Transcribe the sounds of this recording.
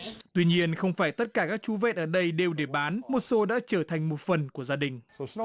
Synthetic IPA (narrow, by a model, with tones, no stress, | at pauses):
t̪wi˧ɲi˧ənxə˧wŋ͡mfaː˧˩jt̪ə˦˥t̚kaː˧˩kaː˦˥k̚t͡ɕu˨˦vɛ̰˧˨ʔəː˧˩ɗə˧jɗe˧˩wɗe˧˩ɓaː˨˦nmo˨˩t̚so˨˦ɗa̰ː˧˥t͡ɕəː˧˩t̪ʰa˨˩jŋ̟mo˨˩t̚fə˨˩nku˧˩əzaː˧ɗï˨˩ŋ̟